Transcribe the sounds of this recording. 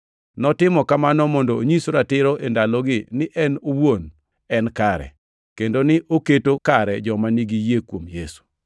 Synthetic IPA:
nɔtɪmɔkamanɔmɔndɔːɲisɾatɪɾoʔendalɔɡɪnɪʔɛnowon | ɛnkaɾɛ̰ | kendonɪʔoketokaɾɛd͡ʒɔmaniɡijekwomjesu̥

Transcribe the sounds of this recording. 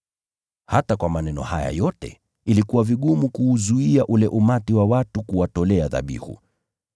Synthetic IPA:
hatakwamanɛnɔ̰haja̰jɔtɛ̰ | ilikuwaviɠumukuːzuiaʔulɛʔumatiwawatukuwatɔlɛaða̰ɓḭhṵ

